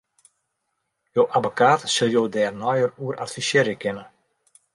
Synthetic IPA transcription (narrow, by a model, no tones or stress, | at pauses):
joːʔabokʰaːtsɪlˠjoːdɛːrnɔjəruəɾʔatfisjɪɾəkʰɪnə